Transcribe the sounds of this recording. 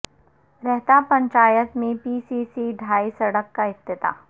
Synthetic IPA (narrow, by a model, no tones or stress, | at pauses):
ɾɛɦt̪apɐ̃ɲt͡ʃaːjət̪mẽpiːsisiɖʱaːisɐɽəkːaɪst̪ɪt̪a̰ː